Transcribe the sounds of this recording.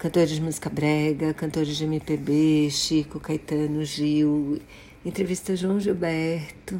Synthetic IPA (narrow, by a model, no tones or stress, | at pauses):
kɐ̃nt̪oɾɪzd͡ʒɪmuzi̥kɐbɾɛɡɐkɐ̃nt̪oɾɪzd͡ʒɪẽmipebeʃikokajt̪ɐ̃nʊʒiw | ẽt̪ɾevist̪ɐʒuɐ̃w̃ʒibɛɾt̪ʊ